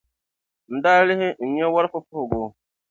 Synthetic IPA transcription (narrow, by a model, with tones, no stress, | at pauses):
n̩˨daː˦lɪ˦ɦɪ˦n̩˨ɲɛ˦wa˦ɾfʊ˦pʊ˦hʊ˨ɡʊː˨˦